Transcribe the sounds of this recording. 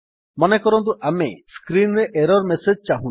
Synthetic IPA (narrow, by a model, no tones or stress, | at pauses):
mɔnekɔɾɔnt̪uʔameskɾinɾeʔeɾɔɾmesed͡ʒt͡ʃaɦũ